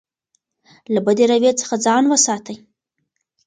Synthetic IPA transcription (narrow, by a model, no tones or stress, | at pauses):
labəd̪eɾawet͡sə̥xad͡zɑnwəsɑt̪əj